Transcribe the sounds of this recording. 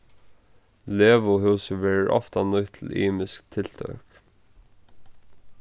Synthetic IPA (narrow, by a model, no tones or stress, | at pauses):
leːʋʊɦʉːsəʋɛːɹəɹʔɔ̰ft̪anʊjt̪ʰɪl̩iːmɪskt̪ʰɪl̥t̪ʰœ̰k